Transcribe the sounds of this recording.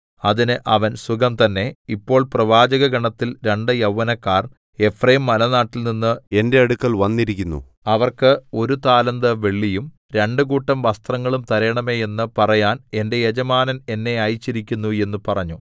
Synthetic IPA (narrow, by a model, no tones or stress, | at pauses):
ɐðinɨʔɐʋɐnsukɐmt̪ɐnːe̞ipːo̞ːɭprɐʋaːd͡ʑɐɣɐɡɐɳɐt̪ːilɾeɳɖɨjɐwːɐnɐkːaːr | e̞frejmːɐlɐnaːʈːilninːɨe̞nde̞ɐɽukːɐɭʋɐnːiɾikʲːunːṵ | ɐʋɐrkɨo̞ɾut̪aːlɐnd̪ɐʋe̞ɭːijum | ɾe̞ɳɖɨkuːʈːɐmʋɐst̪rɐŋːɐɭumt̪ɐɾe̞ːɳɐme̞ːjenːɨpɐrɐjaːne̞nde̞jed͡ʑɐmaːnɐne̞nːe̞ɐjt͡ɕːiɾikʲːunːue̞nːupɐrɐɲːu